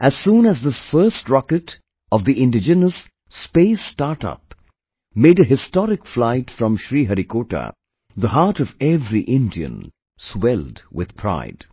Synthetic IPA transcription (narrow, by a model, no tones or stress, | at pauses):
ʔæz̥sũːnæzðɪsfɜ˞stɹɑkɨt | ʌvðiʔɪ̃ndɪd͡ʒɨnəsː | peɪstaɹtʌ̰p̚ | meɪɾɨɦɪstɔɾɪkflaɪtfɹʌ̃mʃɹiːɦəɾikoːʈə̰ | ðəɦɑɹɾʌvɛvɾiʔɪ̃ndiɨ̰̃n | swɛlˠdwɪ̰ð̥pʰɹ̥a̰ɪd̥